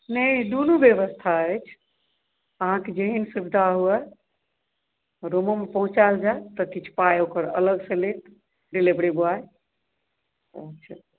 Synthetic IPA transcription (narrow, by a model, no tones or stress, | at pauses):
nəid̪onubjeβəst̪ʰaəjt͡ʃʰ | əɦãked͡ʒeɦinsubid̪ʱaɦuɛ | ɾoməmepəɦũt͡ʃald͡ʒajt̪əkit͡ʃʰu̥pajokəɾə̰ləɡsə̃let̪ | ɖilebɽibuaj | ət͡ʃʰə